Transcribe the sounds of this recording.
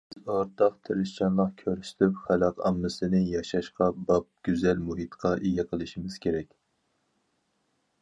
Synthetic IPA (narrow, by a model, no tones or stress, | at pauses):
ɪzɑɾt̪ʰɑqt̪ʰeɾɨʃt͡ʃʰɑnlˠəqkʲʰøɾst̪ʰypχælɑqʰɑmːɨsɨnɨjɑʃɑʃqɑbɑp̚ɡ̥ʲyzɛlmuɦit̪qʰɑʔeɡʲɛqʰəlˠɨʃimɪz̥kʲʰeɾɛkʲ